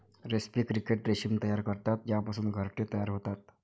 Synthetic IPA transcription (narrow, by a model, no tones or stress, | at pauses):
ɾespiːkɾikeʈɾeɕimt̪əjaɾkəɾt̪at̪japasuːnɡʱəɾʈet̪əjaɾɦot̪at̪̚